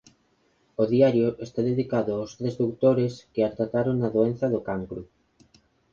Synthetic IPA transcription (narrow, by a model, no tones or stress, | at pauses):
oðiaɾjoʔest̪aðeðikaðʊawst̪ɾezd̪ukt̪oɾeskɪat̪ɾat̪aɾoŋnaðoen̟θɐðokaŋkɾu